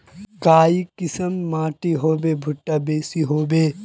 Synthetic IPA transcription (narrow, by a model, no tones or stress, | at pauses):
kaːikɪsəmːãːʈiɦoːbebʱʊʈːabeːsiɦoːbeː